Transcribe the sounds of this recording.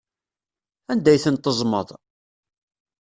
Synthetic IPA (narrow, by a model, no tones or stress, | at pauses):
ænd̪æjθənt̪əzˤməðˤ